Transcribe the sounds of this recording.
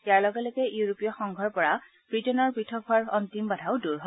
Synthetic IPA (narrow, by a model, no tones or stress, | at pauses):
jaɹlɔɡɛlɔjkɛjuɹopijɔxɔŋɡʱɔɹpɔɹa | pɹitɔnɔɹpɹitʰɔbʰʱaɹɔntimbadʱaʊduɹɦɔ